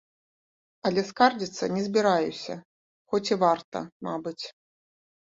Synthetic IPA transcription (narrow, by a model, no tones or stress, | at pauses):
ɐlʲɛskard͡zʲit̪sːɐnʲɛzʲbʲiɾajusʲɐ | xɔt͡sʲivart̪ɐ̰mabɨt͡sʲ